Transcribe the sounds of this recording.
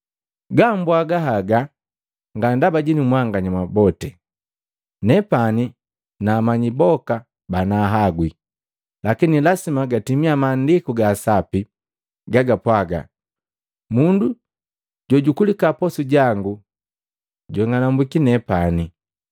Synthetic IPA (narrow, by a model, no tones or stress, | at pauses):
ɡambwaɡaɦaɡa | ŋɡandabaɟinimwaŋɡaɲamabɔtɛ | nɛpani | naːmaɲibɔka | banaɦaɡwi | lakinilasimaɡatimiamaːndikuɡaːsapi | ɡaɡapwaɡa̰ | mundu | ɟɔɟukulikapɔsuɟaŋɡu | ɟɔŋanambwikinɛpani